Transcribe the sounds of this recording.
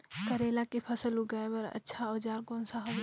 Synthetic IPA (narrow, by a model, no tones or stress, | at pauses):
kəɾeːlakipʰəsəluɡaːebəɾɐ̰tːʃʰaɔːd͡ʒaːɾkõːnsaɦɐb